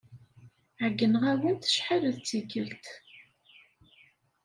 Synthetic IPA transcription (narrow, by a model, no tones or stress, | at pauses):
ʕəɡːənəʁæwənt̪ə̥ʃħaləðt͡sːiɡəlt̪